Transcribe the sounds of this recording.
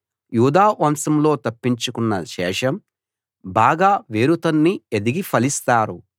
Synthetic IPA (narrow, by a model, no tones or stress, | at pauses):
juːd̪aːʋɐmsɐmlo̞ːt̪ɐpːiɲt͡ʃukunːɐʃɛːʂɐm | baːɡaːʋeːɾut̪ɐnːied̪iɡipʰɐlist̪aːɾu